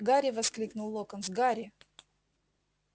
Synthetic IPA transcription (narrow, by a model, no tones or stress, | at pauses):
ɡaɾʲɪvɐsklʲiknʊlˠːokənzɡaɾʲɪ